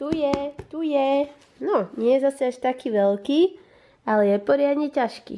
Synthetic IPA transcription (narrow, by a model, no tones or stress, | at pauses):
t̪ujɛt̪ujɛ | nɔɲɪɛjɛzasɛaʃt̪akiːʋɛlkiː | alɛjɛpɔɾɪad̪ɲɛcaʃkḭ